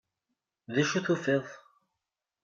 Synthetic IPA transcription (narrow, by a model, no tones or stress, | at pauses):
ðæʃuθufeðˤ